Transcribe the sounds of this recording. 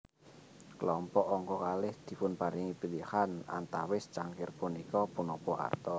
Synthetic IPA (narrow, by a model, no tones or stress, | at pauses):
kəlɔmpɔʔɔŋkɔkalɪhd̪̥i̤pʊnpaɾiŋipilihana̰nt̪awɪst͡ʃaŋkɪrpunikɔpunɔpɔa̰rt̪ɔ